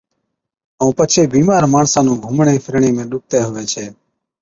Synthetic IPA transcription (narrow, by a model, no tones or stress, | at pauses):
ə̃ːpət͡ʃʰeːbiːmaːɾmaːɳsãːnũːɡʱuːmɳeːfʰəɾɳĩːmẽːɗʊk̚t̪eːɦʊʋeːt͡ʃʰeː